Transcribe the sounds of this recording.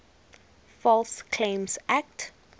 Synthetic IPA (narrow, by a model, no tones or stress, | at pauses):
fɔlskʰlẽmsʔak̚t